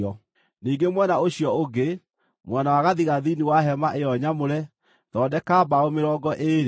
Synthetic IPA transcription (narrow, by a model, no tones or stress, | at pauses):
ɔ | niːɡemwɛnaoɕijɔoɡe | mwanawaɣaðiɣaðiniwaɦɛmaʔejɔɲamoɾɛ | ðɔːdɛkabaomeɾɔːɡɔʔeɾe